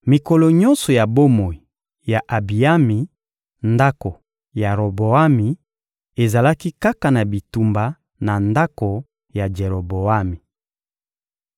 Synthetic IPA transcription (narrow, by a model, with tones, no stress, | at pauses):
mi˨ko˨lo˨ɲɔ̃˦nsɔ˨ja˨bo˦mo˨i˨ | ja˨ʔa˨bi˨a˦mi˨ | nda˦ko˨ | ja˨ʁo˨bo˨a˦mi˨ | e˨za˨la˦ki˦ka˦ka˨na˨bi˨tu˨mba˨ | na˨nda˦ko˨ | ja˨d͡ʒe˨ʁo˨bo˨a˦mi˨